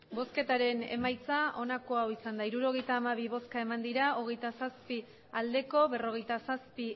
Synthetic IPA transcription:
bo̞ske̞t̪aɾe̞ne̞̰majt͡sao̞nako̞awisand̪aiɾuɾo̞ɣe̞jt̪aːmaβ̞iβo̞skae̞mand̪iɾao̞ɣ̞e̞jt̪asaspi | ald̪e̞ko̞βe̞ro̞ɣ̞e̞jt̪asaspi

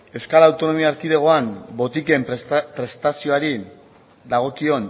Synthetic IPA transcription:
e̞wskalaːwt̪o̞no̞miaːɾkiðeɣ̞o̞ambo̞t̪ike̞mpɾe̞st̪asio̞aɾi | d̪aɣ̞o̞kio̞n

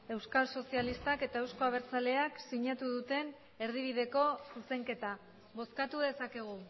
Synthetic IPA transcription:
e̞wskalso̞sialist̪ake̞t̪ae̞wsko̞aβeɾt͡sale̞aksiɲat̪uðut̪e̞n | e̞ɾð̞iβ̞iðe̞ko̞suse̞ŋke̞t̪a | βo̞skat̪uðe̞sake̞ɣ̞u

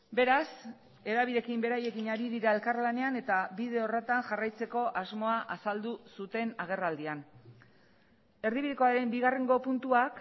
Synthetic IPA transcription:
be̞ɾas | e̞ðaβiðe̞kimbe̞ɾaje̞kinaɾiðiɾae̞lkaɾlane̞ane̞t̪aβið̞e̞oret̪aŋʝarajt͡se̞ko̞ʔazmo̞aʔasald̪usut̪e̞naɣ̞e̞rald̪ian | e̞ɾðiβiðeko̞aɾe̞mbiɣare̞ŋɡo̞punt̪uak

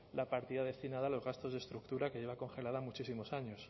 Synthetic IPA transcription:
lapaɾt̪iðað̞e̞st̪inað̞aːlo̞zɣast̪o̞zðe̞st̪ɾuk̚t̪uɾake̞ʝe̞βako̞nxe̞laðamut͡ʃisimo̞saɲo̞s

